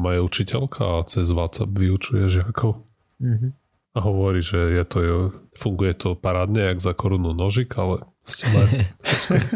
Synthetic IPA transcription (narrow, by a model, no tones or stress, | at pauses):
majɛut͡ʃicɛlkʰa̰ːt͡sɛzʋat̪t͡sa̰bʋiut͡ʃujɛʒɪakʰɔʊ | aɦɔʋɔɾiːʒɛjɛt̪ɔjɛfuŋɡujɛt̪ʰɔpaɾaːd̪ɲɛaɡzakɔɾununɔʒikalɛ | scɛmaɔsɛ